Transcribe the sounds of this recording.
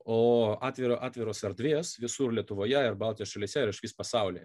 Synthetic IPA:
oːɑːt̪ʲʋʲɪɾoːʔɑːt̪ʲʋʲɪɾoːsɛɾd̪ʲʋʲeːsʋʲɪsuːɾlʲiɛt̪ʊʋoːjɛɪɾbɑlˠt̪ʲijosʃɐlʲiːsʲɛɪɾɪʃʋʲiːspɐsɑʊlʲḭ

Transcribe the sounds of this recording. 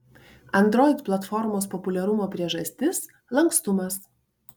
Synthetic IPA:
ɐnˑd̪ɾɔɪt̪plˠɐt̪fɔɾmoːspɔpʊlʲɛɾʊmoːpʲɾʲiɛʒɐsʲt̪ʲɪs | lˠɐŋkst̪ʊmɐs

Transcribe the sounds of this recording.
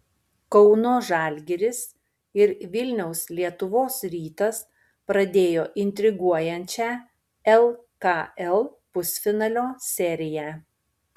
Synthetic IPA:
kɔʊnoːʒɑːlʲɡʲɛɾʲɪs | ɪɾʋʲɪlʲnʲɛʊslʲiɛt̪ʊʋoːsɾʲiːt̪ɐs | pɾɐd̪ʲeːjoːʔɪnʲt̪ʲɾʲɪɡuɔjɛnʲt͡ʃʲæː | ɛlˠkɑɛlˠpʊsʲfʲɪnɐlʲoːsʲɛɾʲɪjæː

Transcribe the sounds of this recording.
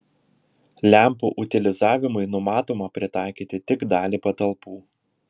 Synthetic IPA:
lʲæˑmpuːʔʊt̪ʲɪlʲɪzɑːʋʲɪmʊɪnʊmɑːt̪oːmɐpʲɾʲɪt̪ɑˑɪkʲiːt̪ʲɪt̪ʲɪɡd̪ɑːlʲiːpɐt̪ɐlˠpuː

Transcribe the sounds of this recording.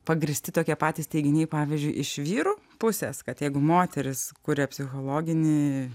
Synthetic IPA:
pɐɡɾʲɪsʲt̪ʲɪt̪oːkʲiɛpɑːt̪ʲiːsʲt̪ʲɛɪɡʲɪnʲeːpɑːʋʲiːzʲd͡ʒʲʊɪʔɪʃʋʲiːɾuː | pʊsʲɛːskɐt̪jɛɪɡʊmoːt̪ʲɛɾʲɪskʊɾʲepʲsʲɪxoːlˠoːɡʲɪnʲɪ

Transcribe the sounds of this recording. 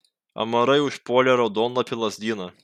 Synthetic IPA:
ɐ̰mɐɾɐɪʊʃpoɔlʲɛɾɐd̪oːnlˠɐpʲɪlˠɐzʲd̪ʲiːnɐ

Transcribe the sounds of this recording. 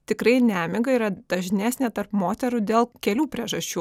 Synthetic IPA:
t̪ʲɪkɾɐɪnʲæːmʲɪɡɐiːɾɐd̪̥ɐʒʲnʲæːsʲnʲet̪ɐrpmoːt̪ʲɛɾʊd̪ʲeːlˠkʲɛlʲuːpʲɾʲiɛʒɐʃʲt͡ʃʲuː

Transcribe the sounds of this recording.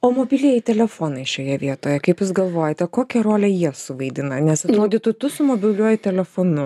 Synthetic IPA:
oːmoːbʲilʲijɛɪt̪ʲɛlʲɛfoːnɐɪʃʲoːjɛʋʲiɛt̪oːjɛkɐɪpjʊsɡɐlˠʋoːjɛt̪ʲɛkoːkʲɛɾoːlʲɛjiɛsʊʋɐɪd̪ʲɪnɐnʲɛsɐtt̪ɾoːd̪ʲiːt̪ʊt̪ʊsʊmoːbʲɪlʲuɔjɪt̪ʲɛlʲɛfonʊ

